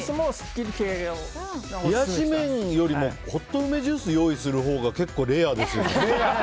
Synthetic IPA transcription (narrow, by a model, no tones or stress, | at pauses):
smoskʲidkʰeɾl | jaʑimẽ̞ɰjo̞ɾʲimo̞ko̞t̪ːo̞ɯ̟me̞ʑɨːsɨjo̞ːisɨɾɯ̟ɦo̞ːɡake̞kːo̞ːɾe̞ːad̪e̞sɨjone